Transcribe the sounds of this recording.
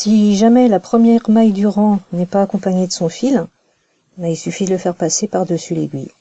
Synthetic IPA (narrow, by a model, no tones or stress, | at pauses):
siʒamɛlapχəmjɛʁmajd̪yʁɑ̃nɛpaːkɔ̃paɲed̪əsɔ̃fil | bailsyfid̪ələfɛʁpasepaʁd̪əsylḛɡʲɥḭ